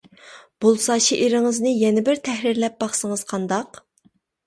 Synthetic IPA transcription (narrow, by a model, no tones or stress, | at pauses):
b̥olˠsɑːt͡ʃʰiʔeɾɪŋɨznɨjɛnɪbɪɾt̪ʰɛhɾiɾlɛp̚b̥ɑχsəŋəz̥qʰɑnd̪ɑq